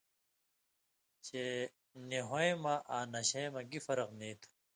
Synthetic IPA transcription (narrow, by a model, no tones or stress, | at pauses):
t͡ɕe | neɦõẽmaʔaːnɐɕɐ̃mɐɡifɐɾɐqniːt̪ʰ